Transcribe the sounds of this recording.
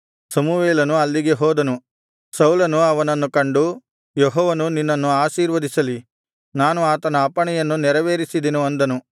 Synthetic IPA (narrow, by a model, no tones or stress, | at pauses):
sɐmuʋeːlɐnuɐlːiɡe̞ɦɔːd̪ɐnu | sɐwlɐnuɐʋɐnɐnːukɐɳɖu | jɔɦɔːʋɐnuninːɐnːuaːʃiːɾʋɐd̪isɐli | naːnuaːt̪ɐnɐːpɐɳɛjɐnːunɛɾɐʋeːɾisid̪enuɐnd̪ɐnu